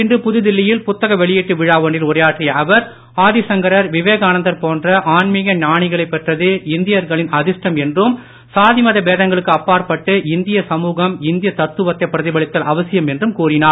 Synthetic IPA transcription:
ɪndrɯpʊðɯðɪlːɪjɪlpʊt̪ːɐɣɐʋɛɭɪjiːʈːɯʋɪɻaːʋɐɳɖɪlʊrɐjaːʈrɪjɐʔɐʋɐɾ | aːðɪsɐŋɡɐɾɐɾʋɪʋeːɣaːnɐnd̪ɐɾpoːndrɐʔaːɳmɪɣɐɲaːɳɪɣɐɭɐɪpːɛʈrɐðɯɪnd̪ɪjɐɾɣɐɭɪnɐðɪʂʈɐmɛndrɯm | saːðɪmɐðɐbeːðɐŋɡɐɭɯkːɯɐpːaːɾpɐʈːɯʔɪnd̪ɪjɐsɐmuːɣɐmɪnd̪ɪjɐt̪ɐt̪ːɯʋɐt̪ːɐɪpːɪɾɐðɪbɐɭɪt̪ːɐlʔɐʋɐsɪjɐmɛndrɯmkuːrɪnaːɾ

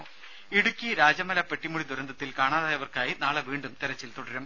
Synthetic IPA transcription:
iɽukʲːiɾaːd͡ʑɐmɐlɐpe̞ʈːimuɽid̪uɾɐnd̪ɐt̪ːilkaːɳaːðaːjɐʋɐrkaːjinaːɭeʋiːɳɖumt̪eɾɐt͡ɕːilt̪oɽɐɾum

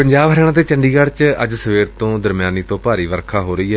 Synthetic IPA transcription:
pəɲd͡ʒaːbɦəɾɛːɽ̃ãːt̪eːt͡ʃəɳɖiːɡəɽt͡ʃəd͡ʒsəʋeːɾt̪õːd̪əɾmjaːniːt̪õːpaːɾiːʋəɾkʰaːɦoːɾəiːɦɛː

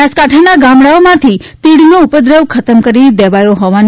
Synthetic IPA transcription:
askaʈʰanaɡãmɽaomãt̪ʰit̪iɽnoupəd̪ɾəʋkʰət̪əmkəɾid̪ɛʋajoɦɔʋan

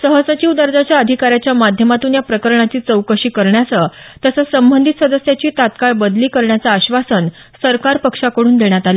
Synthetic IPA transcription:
səɦəsət͡ɕiʋd̪əɾd͡zat͡ɕjaəd̪ʱikaɾjat͡ɕjamad̪ʱjəmat̪uːnjapɾəkəɾɳat͡ɕiːt͡səwkəɕiːkəɾɳjat͡sə | t̪əsəsəmbənd̪ʱit̪səd̪əsjat͡ɕiːt̪at̪kaɭbəd̪liːkəɾɳjat͡saːɕʋasən | səɾkaɾpəkʂakəɽuːnd̪eɳjat̪ale

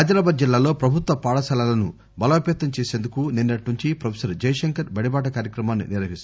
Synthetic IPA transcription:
ad͡ʒɐɾaːbaːd͡ʒilːaːlo̞ːpɾɐbʱut̪ʋɐpaːɽɐsɐlaːlɐnṵ | bɐlɐɐpjɐt̪ːɐmt͡ʃeːse̞ːnd̪ukuninːɐʈnuɲt͡ʃipɾɐpʰesɐɾd͡ʒɐjɐʂɐŋkɐɾbɐɽibaːʈɐkaːɾjɐkɾɐmaːnːḭniɾʋɐɦist̪

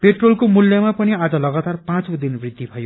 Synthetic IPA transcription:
peʈrolkomuljʌmapʌniad͡zʌlʌɡat̪arpãt͡sod̪inbrid̪ʱːibʱʌjo

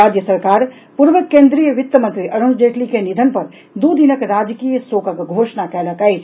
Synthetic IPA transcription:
aːd͡ʒjəsəɾkaːɾ | puɾʋəkːẽːnd̪ɾijəʋɪt̪ːəmə̃nt̪ɾiʔɐɾund͡ʒeːʈlikenid̪ʱənpɐɾ | d̪uːd̪inəkɾaːd͡ʒkiːjəsoːkəkɡʱoːʃnakɛləkait͡ʃʰ

